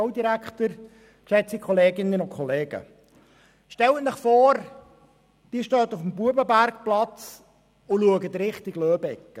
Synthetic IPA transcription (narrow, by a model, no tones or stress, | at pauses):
oʊd̪iɾækt̪əɾ | ʃɛt͡sikʰχɔleːɡɪnːənʊkʰχɔleːɡə̰ | ʃtɛlətnəχfɔːɾ | d̥iːʃtœːt̪ufəm̩buəbəbæɾkplɑt͡s | ʊluəɡət̪ɾɪχt̪ɪɡlœːbɛkːə